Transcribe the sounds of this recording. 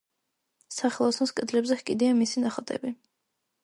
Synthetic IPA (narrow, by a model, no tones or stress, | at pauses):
saχɛlˠɔsnɔskʼɛd̪lɛbzɛhkʼid̪iamisinaχɔt̪ʼɛ̰bi